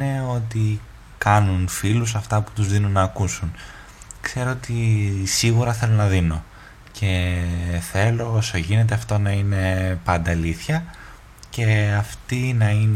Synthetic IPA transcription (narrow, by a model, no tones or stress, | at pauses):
e̞o̞t̪i | kɐnunfilus̬ɐft̪ɐpu̥t̪uzðinunːɐːkusun | kse̞ɾo̞ot̪isiɣuɾɐθe̞lo̞nɐðino̞ | cʰe̞θe̞lo̞osoʝine̞t̪̬e̞ɐft̪o̞nɐine̞pɐnd̪ɐliθçɐ | ce̞ɐft̪inɐin